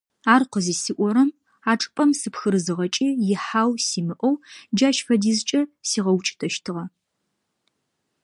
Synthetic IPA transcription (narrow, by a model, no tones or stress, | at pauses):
aːrqəziːsɨʔʷɔɾɐm | aːʈ͡ʂʼɨ̥pʼɐmsɨpxɨɾɨzɨʁɐt͡ʃʼiːjɪħaːwsiːmɨʔʷɔwd͡ʒaːʃfɐdiːzt͡ʃʼɐsiːʁɐwt͡ʃʼɪ̥tʰɐʃtʰɨʁɐ